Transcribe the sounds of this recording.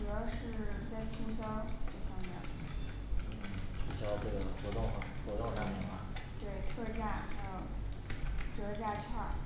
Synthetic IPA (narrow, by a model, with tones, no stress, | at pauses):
ɤ˧˥ʂɻ̩˥˧t͡sa˥˩ɪt̪ʰu˥ŋɕɑ˥ŋʈ͡ʂɤ˥˩fɑ˥ŋmjɛ̰˥˩n̩˥˩ | t͡ɕʰy˥˧˥ɕjɑ˥˧ʈ͡ʂɤ˥˩ɡə˩xwɔ˧˥t̪ʊ˥˩ŋ˩xwɔ˧˥t̪ʊ˥˧ŋʂa˥nmjɛ˥˩nma̰˧t̪we˥˩ɪt̪ʰɤ˥˧t͡ɕa˥˩˧jo˥˨˩ | ʈ͡ʂɤ˧˥t͡ɕja˥˧ʈ͡ʂʰɑ˥˩ŋ